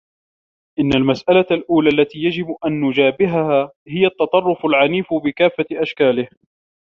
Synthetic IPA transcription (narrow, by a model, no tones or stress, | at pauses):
ʔɪnːalmasʔalalʔuːlaːlːat̪iːjad͡ʒɪbʔanːʊd͡ʒaːbɪɦahaː | hɪjat̪ːɑt̪ˤɑrˤːʊfalʕaniːfbɪkaːfːaʔaʃkaːlɪh